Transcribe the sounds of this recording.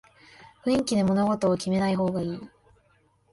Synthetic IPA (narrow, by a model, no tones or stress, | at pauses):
bɯ̟̃ŋkʲid̪e̞mo̞no̞ɡo̞t̪o̞ːkʲime̞naiɦo̞ːɡaiː